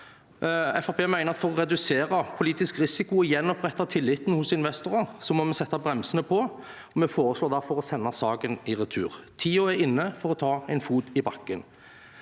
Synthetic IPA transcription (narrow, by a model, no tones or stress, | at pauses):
ɛfɑpʰeːmæɪnəʁɑt̪fɔɾɔɾɛd̪ʉseːɾɑpʰʊliːt̪ɪskɾɪsɪkʊjɛnːɔpʁɛt̪ːɑt̪ʰɪlːɪt̪n̩hʊsɪnʋɛst̪ʊɾɑsɔmɔmɛsɛt̪ːɑbʁɛmsənəpʰɔ | ɔmɛfoːɾəsloːʁd̪æɾfɔɾɔsɛnːɑsɑːɡənɪɾɛt̪ʰʉ̰ːɾt̪ʰiːɔæɾɪnːəfɔɾɔt̪ʰɑːɛɪnfuːt̪ɪbɑkːən